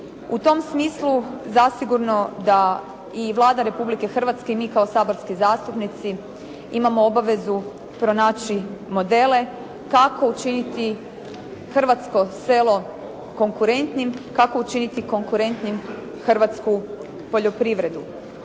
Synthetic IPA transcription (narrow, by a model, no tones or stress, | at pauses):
ut̪o̞msmiːsluzasiɡuɾno̞d̪a | iʋlˠaːd̪aɾe̞publike̞xr̩ʋat̪ske̞imiːkao̞saːboɾskizaːst̪upnit̪si | imamo̞obaʋe̞zu | pɾo̞naːt͡ʃimo̞d̪e̞le̞ | kako̞ut͡ʃinit̪i | xr̩ʋat̪sko̞se̞ːlˠo̞ | ko̞ŋkuɾe̞nt̪nimkako̞ut͡ʃinit̪iko̞ŋkuɾe̞nt̪nim | xr̩ʋat̪sku | po̞ʎo̞pɾiʋɾe̞d̪u